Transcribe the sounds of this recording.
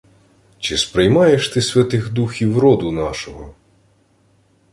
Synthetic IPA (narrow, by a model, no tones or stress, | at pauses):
t͡ʃɪspɾɪjmɑjeʃt̪ɪsʲʋʲɐt̪ɪɣd̪uxʲiwɾɔd̪ʊnɑʃɔɦɔ